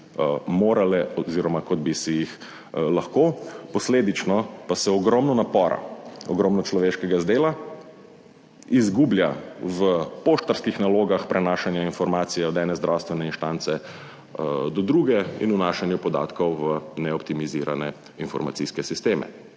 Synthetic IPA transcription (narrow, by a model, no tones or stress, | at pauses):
moːɾalɛɔziɾɔmakɔd̪̚bisijix | laxkopɔsleːd̪it͡ʃnɔpasɛɔɡɾɔmnɔnapɔːɾa̰ɔ̰ɡɾɔːmnɔt͡ʃlɔʋeːʃkɛɡazd̪eːla | izɡuːbljaʋəpoʃt̪ɔɾskixnaloːɡaxpɾʔɛnaːʃanjainfɔɾmaːt̪sijɛɔd̪ɛːnɛzd̪ɾʔawst̪ʋɛnɛinʃt̪aːnt̪sɛ | d̪ɔd̪ɾuːɡɛḭnunaːʃanjupɔd̪a̰ːt̪kɔwʋənɛɔpt̪imiziɾa̰nɛ | infɔ̰ɾma̰tsiskɛsist̪eːmɛ̰